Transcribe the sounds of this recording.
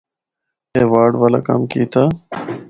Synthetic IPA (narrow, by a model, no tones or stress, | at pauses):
eːʋaːɽʋaːla̰ːka̰ːmkiːt̪ʰaː